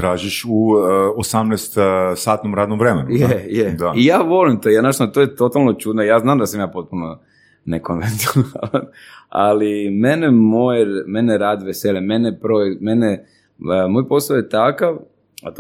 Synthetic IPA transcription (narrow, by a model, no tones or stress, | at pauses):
t̪ɾaːʒiʃuosamnɛst̪saːt̪nomɾaːd̪nomʋɾemenujejed̪aijaːʋo̞limt̪ojanaʃt̪at̪oːjet̪o̞t̪alˠnot͡ʃud̪nojaːznaːmd̪asamjaːpo̞t̪̚puno | nekonʋent̪ionna̰lan | a̰limenemojɾmenɛɾaːd̪ʋeseʎʲemenepɾojek̪mene | mojpo̞sˠaojet̪akaʋ | a̰t̪